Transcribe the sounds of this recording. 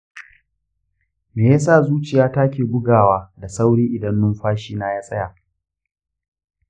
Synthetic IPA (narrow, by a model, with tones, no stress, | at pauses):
meː˨ja˦s̬a˦˨zuː˦t͡ʃɪ˨jaː˦taː˦kʲeː˨bʊ˦ɡaː˨waː˦da˨sa˦wɽiː˦ʔɪ˨dɐ˦nːʊ˦mɸaː˦ʃiː˦naː˦jaː˦sʼɐ˦jaː˨